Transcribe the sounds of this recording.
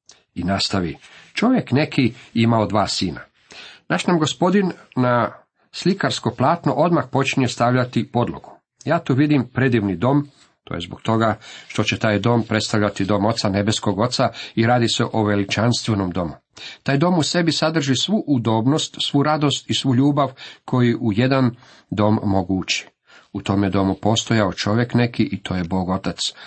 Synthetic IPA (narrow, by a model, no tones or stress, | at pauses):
inast̪aʋit͡ʃo̞ʋje̞kne̞kʰiimaod̪ʋaːsiːna̰ | naʃnamɡo̞spo̞d̪inna | slikaɾsko̞plˠaːt̪noʔo̞d̪maxpo̞t͡ʃnijest̪aʋʎat̪ipo̞d̪lˠo̰ɡ̥u | jaːt̪uʋid̪impɾe̞d̪iʋnid̪o̞m | t̪ʰo̰ːje̞zbokt̪o̞ɡaʃt̪o̞t͡ɕe̞t̪aːjd̪o̞ːmpɾe̞t̪st̪aʋʎʲat̪id̪o̞ːmo̞t̪sane̞be̞sko̞ɡo̞t̪saiɾaːd̪ise̞ʔoʋe̞lit͡ʃanst̪ʋenomd̪o̞mu | t̪aːjd̪o̞muse̞bisad̪r̩ʒisʋuʔud̪o̞ːbno̞st̪sʋuɾad̪o̞st̪isʋuʎuːbaʋkʰo̞jiʔuje̞d̪an | d̪o̞mːoɡut͡ʃi̥ | ut̪o̞mjed̪o̞mupo̞st̪o̞jaot͡ʃo̞ʋje̞kne̞kiʔit̪ʰo̞ːje̞bo̞ːɡo̞t̪at̪s